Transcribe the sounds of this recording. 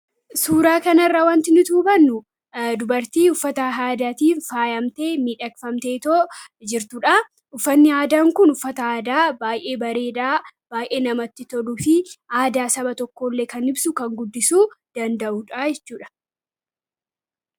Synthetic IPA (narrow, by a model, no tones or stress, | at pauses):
suːɾaːkɐnɐrːawɐnt̪ɪnɪt̪uːbɐnːʊ | d̪ʊbɐɾt̪iːʊfːɐt̪ɐɦaːd̪at̪iːffaːjɐmt̪e̞ːmiːᶑɐkfɐmt̪e̞ːt̪od͡ʒɪɾt̪ʊᶑɐ | ʊfːɐnːɪaːd̪aːŋkʊnʊfːɐt̪ɐaːd̪aːbaːjʔe̞ːbɐɾe̞ːᶑaːb̥aːjʔe̞ːnɐmɐt̪ːɪt̪ɔlufɪʔaːd̪aːsɐbɐt̪ɔkːo̞ːlːe̞ːkɐnɪbsʊkɐŋɡʊd̪ːɪsuːd̪̥ɐnd̪ɐʔuᶑajɛt͡ʃːuːᶑɐ̥